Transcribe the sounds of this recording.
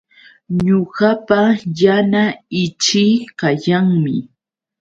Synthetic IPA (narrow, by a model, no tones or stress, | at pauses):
ɲoɢɑpajanaɪt͡ʃɪkajaŋmɪ̰